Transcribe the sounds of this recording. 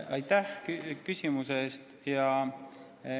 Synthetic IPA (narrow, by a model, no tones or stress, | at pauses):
ɑjt̪ːæhkkysʲimuseest̪ | jɑ